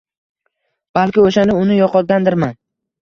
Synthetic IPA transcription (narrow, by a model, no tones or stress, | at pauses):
b̥alkʲɪoʃand̪aʊnɪjɒqɒt̪̚ɡʲand̪ɪɾman